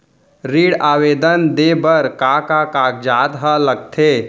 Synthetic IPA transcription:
ɾiːɽaːʋeːd̪ənd̪eːbəɾkakakaːk̚d͡ʒaːt̪ɦəlɐɡ̚t̪ʰeː

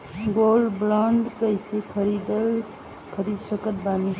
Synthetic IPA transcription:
ɡolɖblɔ̃ɳɖkəɪsekʰəɾid̪əl | kʰəɾid̪səkət̪̚bani

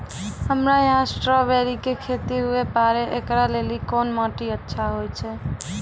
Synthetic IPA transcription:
ɦəmɾajəɦãsʈɾɔbeɾikekʰet̪iɦuepaɾeʔekɾalelikɔnmɔʈiətːʃʰaɦojt͡ʃʰɛ

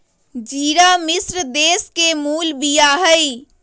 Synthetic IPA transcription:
d͡ʒiːɾamɪsɾd̪eːskemuːlbijaɦəi

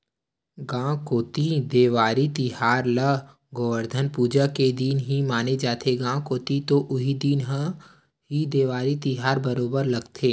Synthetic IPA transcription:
ɡãːkoːt̪id̪eːʋaːɾit̪iɦaːɾlə | ɡoːʋəɾd̪ʱənpuːd͡ʒaked̪iːnɦimaːned͡ʒaːt̪ʰeɡãːkoːt̪it̪oʔʊɦid̪iːnɦ | ɦid̪eːʋaːɾit̪iɦaːɾbɐɾoːbəɾlɐɡt̪ʰeː

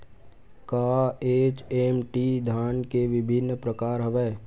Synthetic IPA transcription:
kaːeːt͡ʃeːmʈid̪ʱaːnkeʋɪbʱɪnːpɾəkaːɾɦəʋɛː

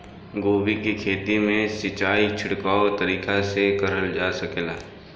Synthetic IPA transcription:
ɡoːbikikʰeːt̪imẽsɪt͡ʃaːit͡ʃʰʊɽkaːot̪ɐɾiːkasekɐɾəld͡ʒaːsɐkelaː

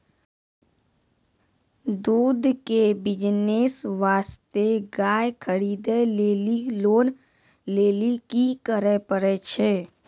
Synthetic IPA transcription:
d̪uːd̪ʱkebɪd͡ʒneːsʋaːst̪eɡaːjkʰəɾiːd̪eleliloːn | leːlikikəɾepəɾɛt͡ʃʰeː

